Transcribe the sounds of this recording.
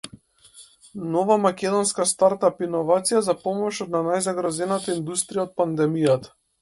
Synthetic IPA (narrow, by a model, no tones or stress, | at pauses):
nɔvamakʲɛd̪ɔnskast̪aɾt̪apinɔvat̪sijazapɔmɔʃɔt̪̚nanajzaɡɾazɛnat̪aind̪ust̪ɾijaɔt̪̚pand̪ɛmijat̪ḁ